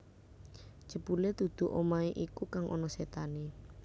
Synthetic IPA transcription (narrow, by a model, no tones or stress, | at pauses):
d͡ʒ̥əpuled̪̥ṳd̪̥ṳʔomaeʔikukaŋʔɔ̰nɔset̪ane